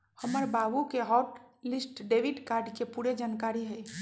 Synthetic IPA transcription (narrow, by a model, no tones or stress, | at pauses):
həməɾbaːbukeɦɔːʈlɪsʈɖeːʋiɖkaːɾɖkepuːɾed͡ʒaːnkaːɾiɦɛː